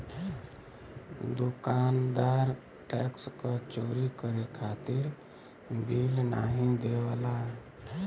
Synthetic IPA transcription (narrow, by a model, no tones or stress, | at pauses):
d̪ukand̪aɾ | ʈɛkskət͡ʃoɾikəɾekʰat̪iɾ | bilna̰ɦĩd̪ewala